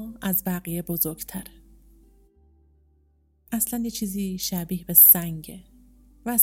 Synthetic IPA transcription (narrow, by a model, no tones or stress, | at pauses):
æzbæɣijebozoɾɡt̪ʰæɾe | ʔæslænjet͡ʃʰiːziːʃæbiːhbesæŋɟevæːs